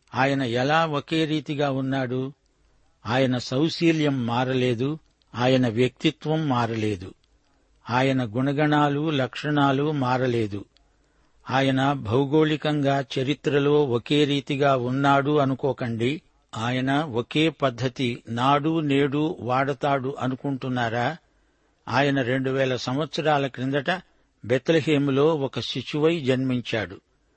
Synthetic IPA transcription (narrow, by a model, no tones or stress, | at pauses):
aːjɐnɐɛlaːoke̞ːɾiːt̪iɡaːunːaːɽu | aːjɐnɐsɐwsiːljɐmːaːɾɐle̞ːd̪u | aːjɐnɐʋjɐk̚t̪it̪ʋɐmːaːɾɐleːd̪u | aːjɐnɐɡuɳɐɡɐɳaːlulɐkʂɐɳaːlumaːɾɐle̞ːd̪u | aːjɐnɐbʱɐwuɡoːlikɐŋɡaːt͡ʃɐɾit̪ɾɐlo̞ːoke̞ːɾiːt̪iɡaːunːaːɽuɐnukɔːkɐɳɖi | aːjɐnɐoke̞ːpɐd̪ʱːɐt̪inaːɽuːne̞ːɽuːʋaːɽɐt̪aːɽuʔɐnukuɳʈunːaːɾaː | aːjɐnɐɾe̞ɳɖuʋɛːlɐsɐmʋɐt̪sɐɾaːlɐkɾind̪ɐʈɐ | bet̪lɐɦeːmulo̞ːɔkɐʃiʃuʋɐjd͡ʒɐnmiɲt͡ʃaːɽu